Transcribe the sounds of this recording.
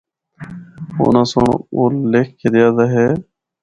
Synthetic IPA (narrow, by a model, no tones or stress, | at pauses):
o̰ːnaːsoɳ̰ːoːleːkːeɾɪjaːd̪aɦeː